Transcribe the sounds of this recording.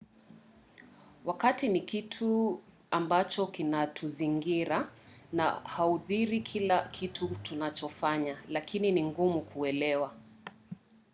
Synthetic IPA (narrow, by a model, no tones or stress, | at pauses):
wakatinikitʰu | ambat͡ʃɔkinatʰuziŋɡiɾana̰hauðiɾikʰilakʰitʰutunat͡ʃɔfaɲalakʰininiŋɡumukʰuɛlɛwa